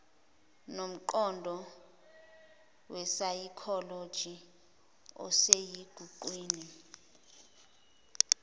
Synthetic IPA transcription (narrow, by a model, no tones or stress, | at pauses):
nom̩ǃɔndʱɔ | wɛsajikʰɔlod̥ʒ̥ʱi | ɔ̰sejiɡ̥ʱuǃwiːni